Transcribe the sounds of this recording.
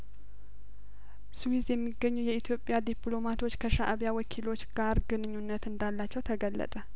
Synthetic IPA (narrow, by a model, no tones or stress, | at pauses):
suwizjɛmːiɡəɲːujɛit̪ʰjo̞pʼːjad̪iplo̞mat̪ʰo̞t͡ʃːkʰəʃaʔaβjawəkʰilo̞t͡ʃːɡ̥aɾɡɨnɨɲːunːət̪ɨnd̪alːat͡ʃːɛwt̪ʰəɡəlːə̰t̪ʼə